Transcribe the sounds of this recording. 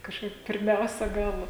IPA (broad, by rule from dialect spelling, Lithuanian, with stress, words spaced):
kɐʃˈkɐɪp pʲɪrʲˈmʲɛʊsʲɛ ˈɡɐlˠ